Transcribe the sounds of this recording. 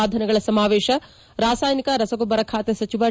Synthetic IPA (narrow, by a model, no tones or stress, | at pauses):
aːd̪ʱɐnɐɡɐɭɐsɐmaːʋeːʃɐ | ɾaːsaːjnikɐɾɐsɐɡobɐɾɐkʰaːt̪jesɐt͡ʃiʋaː